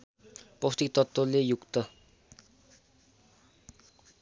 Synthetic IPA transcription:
post̪ik̚t̪ʌt̪ːʌlejukt̪ʌ

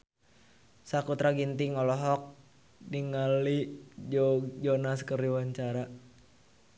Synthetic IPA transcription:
sakut̪ɾaɡint̪iŋɔlɔɦɔk̚ | diŋalid͡ʒɔd͡ʒɔnaskəriwaɲt͡ʃaɾa

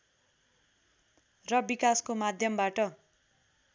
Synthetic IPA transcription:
rʌbikaskomad̪ʱjʌmbaʈʌ

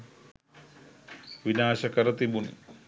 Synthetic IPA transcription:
ʋinaːʃɐkɐɾɐt̪ibunḭ

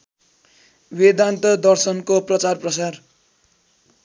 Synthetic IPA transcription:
bed̪ant̪ʌd̪ʌrsʌnkoprʌt͡sarprʌsar

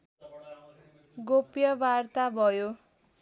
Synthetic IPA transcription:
ɡopjʌbart̪abʱʌjo

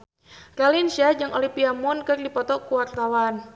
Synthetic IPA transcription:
ralinsiad͡ʒɨŋʔolipiamʊnkɨrdipɔt̪ɔkuwart̪awan

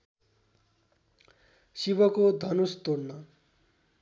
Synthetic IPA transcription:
sibʌkod̪ʱʌnust̪ornʌ

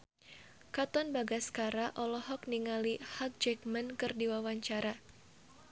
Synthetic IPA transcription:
kat̪ɔnbaɡaskaɾaʔɔlɔhɔkniŋalihak̚d͡ʒɛk̚mankɨrdiwawaɲt͡ʃaɾa

